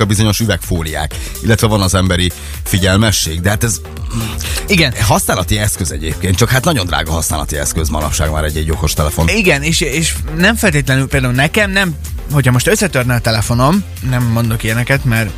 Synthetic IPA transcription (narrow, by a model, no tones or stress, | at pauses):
ɒbizo̞ɲo̞ʃyvɛkfoːlija̰ːk | ilːɛt̪vɛvɒnɒzɛmbɛɾi | fiɟɛlmɛʃːeːɡd̪ɛɦaːt̪ɛz | iɡɛnɦɒsnaːlɒt̪iɛskøzɛɟḛːp̚keːnt̪t͡ʃɒkhat̪nɒɟo̞nd̪ɾra̰ːɡɒɦɒsnaːlɒ̰t̪iɛ̰skøzmɒnɒ̰pʃaːɡma̰ːɾɛɟːɛɟːo̞ko̞ʃt̪ɛlɛfo̞̰niɡɛneːʃeːʃnɛɱfɛlt̪eːt̪lɛnylpeːld̪aulnɛkɛmnɛm | hochɒmo̞ʃt̪øsːɛt̪ørnɛt̪ɛlɛfo̞no̞m | nɛmːo̞nd̪o̞kijɛnɛkɛt̪mɛr